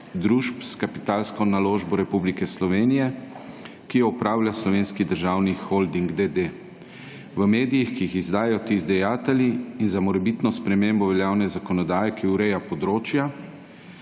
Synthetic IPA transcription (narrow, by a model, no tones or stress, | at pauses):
d̪ɾuʃpskapit̪aːlskɔnaloːʒbɔɾɛpublikɛslɔʋeːnijɛ | kijɔɔpɾaːwlʲjaslɔʋeːnskid̪əɾʒaːwnixold̪iŋɡd̪ed̪e | ʋəmeːd̪ijixkiixizd̪aːjɛjɔt̪izd̪ɛjaːt̪ɛlʲiːnzamɔɾɛbit̪nɔspɾɛmeːmbɔʋɛljaːwnɛzakɔnɔd̪aːjɛkiuɾɛjapɔd̪ɾoːt͡ʃja